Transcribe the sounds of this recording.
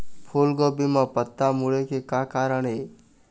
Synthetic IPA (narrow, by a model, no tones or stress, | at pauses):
pʰoːlɡɔːbimãpət̪ːamʊɭekekaːkaːɾəɳe